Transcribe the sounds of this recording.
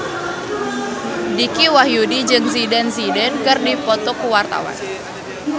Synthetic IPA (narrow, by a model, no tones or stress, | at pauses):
dikiwahjudid͡ʒɨŋsidɛnsidɛnkɨrdipɔt̪ɔkuwart̪a̰wa̰n